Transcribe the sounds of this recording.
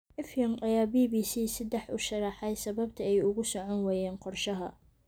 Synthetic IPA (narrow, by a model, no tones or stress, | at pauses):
ʔɛfjɔmɐjaːbiːbiːsiːsɐd̪ɛħʊʃɐrɑħɛjsɐβɐb̚t̪ʰɐɛjʊɣʊsɔʕɔnwɛːjɛːnqɔrʃɐɦɐ